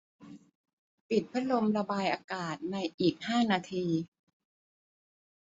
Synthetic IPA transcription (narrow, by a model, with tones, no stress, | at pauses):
pi˨˩t̪̚pʰa˦˥lo˧mɾa˧baː˧jʔaː˧kaː˨˩t̪̚na˧jʔiː˨˩k̚haː˥˩naː˧t̪ʰiː˧